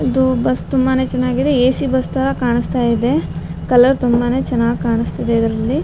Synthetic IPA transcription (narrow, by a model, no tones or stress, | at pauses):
id̪ubɐst̪umbane̞ːt͡ʃɛnːaːɡid̪eeːsibɐst̪ɐɾɐkaːɳist̪aːjid̪e̞ | kɐlɐɾt̪umbane̞ːt͡ʃɛnːaːɡikaːɳist̪id̪eid̪ɐɾɐlːi